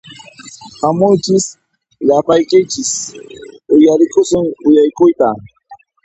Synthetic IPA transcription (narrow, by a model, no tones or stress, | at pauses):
hamʊjt͡ʃɪs | ʎapajkɪjt͡ʃɪs | ʊjaɾɪkʊsʊŋʊjajkʊjt̪a